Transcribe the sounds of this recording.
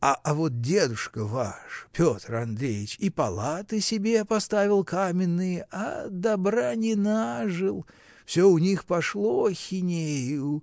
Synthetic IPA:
aʔavot̪̚dʲe̞d̪ʊʂkəva̰ʂpʲo̞t̪rɐnd̪ɾʲejɪt͡ɕipɐlˠat̪ɨsʲɪbʲepɐst̪avʲɪlˠkamʲɪnːɨjəʔa̰d̪ɐbɾanʲɪnaʐɨlˠ | fsʲoʊnʲixpɐʂlˠoxʲɪnʲejʊ

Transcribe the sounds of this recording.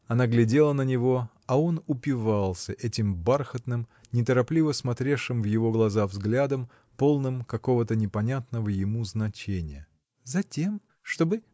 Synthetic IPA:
ɐnaɡlʲɪdʲe̞lˠənənʲɪvo̞ | ɐo̞nʊpʲɪvalˠsʲəʔɛtʲɪmbarxət̪nɨm | nʲɪt̪əɾɐplʲivəsmɐt̪ɾʲefʂɨmvjɪvo̞ɡlˠɐzavzɡlʲad̪əm | po̞lˠnɨmkɐko̞vət̪ənʲɪpɐnʲat̪nəvəjɪmuznɐt͡ɕenʲɪ̰jə | zɐtʲe̞m | ʂt̪o̞bɨ

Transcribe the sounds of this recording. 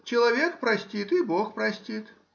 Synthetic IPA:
t͡ɕɪlˠɐvʲekpɾɐsʲtʲit̪iboxpɾɐsʲtʲit̪

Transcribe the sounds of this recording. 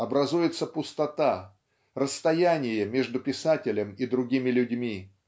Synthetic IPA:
ɐbɾɐzujɪt̪səpʊst̪ɐt̪a | rəst̪ɐjænʲɪjəmʲeʐd̪ʊpʲɪsatʲɪlʲəmid̪ɾʊɡʲimʲɪlʲʉdʲmʲi

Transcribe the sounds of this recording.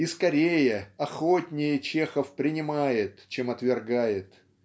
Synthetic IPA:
iskɐɾʲejəɐxotʲnʲɪjət͡ɕe̞xəfpɾʲɪnʲɪmajɪt̪t͡ɕemɐt̪vʲɪrɡajɪt̪

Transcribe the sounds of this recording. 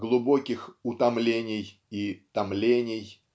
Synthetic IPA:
ɡlˠʊbo̞kʲɪxʊt̪ɐmlʲenʲɪj | it̪ɐmlʲenʲɪj

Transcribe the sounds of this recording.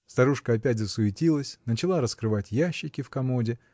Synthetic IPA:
st̪ɐɾuʂkəɐpʲætʲzəsʊɪtʲilˠəsʲnət͡ɕɪlˠaɾəskɾɨvatʲjæɕːɪkʲɪfkɐmodʲɪ

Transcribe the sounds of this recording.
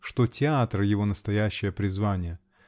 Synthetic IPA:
ʂt̪o̞tʲɪat̪ɾɨjɪvo̞nəst̪ɐjæɕːɪjəpɾʲɪzvanʲɪjə

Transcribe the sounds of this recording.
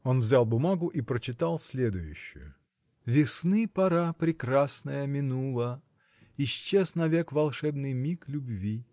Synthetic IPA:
o̞nvzʲalˠbʊmaɡʊʔipɾət͡ɕɪt̪alˠsʲlʲed̪ʊjʉ̰ɕːʊ̰jʊ̰ | vʲɪsnɨpɐɾapɾʲɪkɾasnəjəmʲɪnulˠə | ɪɕt͡ɕːeznɐvʲekvɐlˠʂɛbnɨjmʲiklʲʊbvʲi

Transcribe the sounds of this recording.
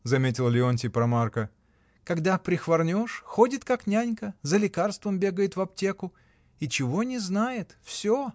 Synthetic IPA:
zɐmʲetʲɪlˠəlʲɪonʲtʲɪpɾɐmarkə | kɐɡd̪apɾʲɪxvɐrnʲoʂxodʲɪt̪kaknʲanʲkəzəlʲɪkarst̪vəmbʲe̞ɡəjɪt̪vɐp̚tʲe̞kʊ | it͡ɕɪvo̞nʲɪznajɪt̪fsʲo

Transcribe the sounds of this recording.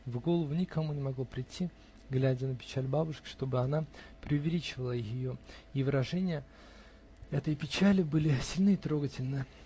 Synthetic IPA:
vɡo̞lˠəvʊnʲɪkʰɐmunʲɪmɐɡlopɾʲɪtʲʰːi | ɡlʲædʲənəpʲɪ̥t͡ɕælʲbabʊʂkʲɪ̥ʂt̪o̞bɨɐnapɾʲɪʊvʲɪlʲit͡ɕɪvəlˠəjɪxjɪjo̞ivɨɾɐʐɛnʲɪjə | ɛt̪əjpʲɪt͡ɕælʲɪbɨlʲɪsʲɪlʲnɨɪt̪ɾo̞ɡətʲɪlʲnɨ

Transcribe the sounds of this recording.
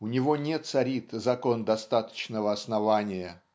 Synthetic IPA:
ʊnʲɪvo̞nʲet̪sɐɾʲit̪zɐko̞nd̪ɐst̪at̪ə̥t͡ɕnəvəɐsnɐvanʲɪjə

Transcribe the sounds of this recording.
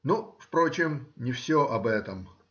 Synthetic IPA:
nufpɾo̞t͡ɕɪmnʲɪfsʲoʔɐbɛt̪əm

